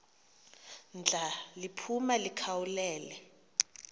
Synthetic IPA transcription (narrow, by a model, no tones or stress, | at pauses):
nd͡ɮʱalipʰumalikʰawulɛːlɛ